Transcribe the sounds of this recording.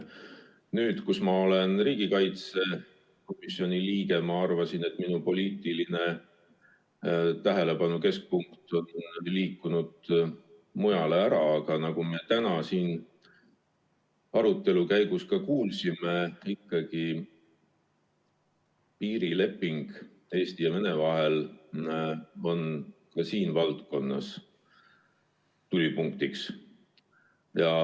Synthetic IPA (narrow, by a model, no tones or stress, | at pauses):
nyːd̪̥kusmɑo̞le̞nriːɡ̥ikɑjt̪se̞ | ko̞misio̞nʲiliːɡe̞mɑɑrvɑsinet̪ːˑminupo̞lʲiːt̪ˑiline̞ | t̪æɦe̞le̞pɑnuke̞sk̚puŋkt̪o̞nliːkːˑunud̪̥ | mujɑleæɾɑːɡ̥ɑnɑɡumiet̪ænɑsiːn | ɑɾut̪ːˑe̞lukæjɡ̥uskɑkuːlsimeikːˑɑɡ̥i | piːɾile̞pːˑiŋɡ̥ | e̞ːst̪ijɑmenevɑɦel | o̞n | kɑsiːnvɑlt̪ko̞nːɑ̰s | t̪ulʲipuŋkt̪iks | jɑ